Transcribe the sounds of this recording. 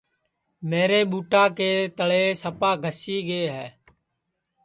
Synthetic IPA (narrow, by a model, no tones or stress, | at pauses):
meːɾeːɓuːʈaːkeːt̪əɭeːsəpaːɡʱəsiːɡeːɦɛː